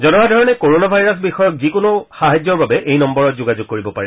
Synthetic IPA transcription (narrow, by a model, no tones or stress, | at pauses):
zɔnɔɹadʱɔɹɔnɛkoɹonabʱajɹɔs̬bixɔjɔkzikonoxaɦad͡ʑɔɹbabɛʔejnɔmbɔɹɔt̚zoɡazʊɡ̚koɹibɔpaɹɛ